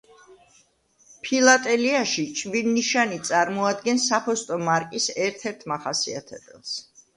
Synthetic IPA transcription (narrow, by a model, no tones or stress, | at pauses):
pʰilˠat̪ʼɛliaʃit͡ʃʼvinːiʃanit̪sʼaɾmɔad̪ɡɛnsapʰɔst̪ʼɔmaɾkʼisɛɾt̪ʰɛɾt̪ʰmaχasia̰t̪ʰɛ̰bɛlˠs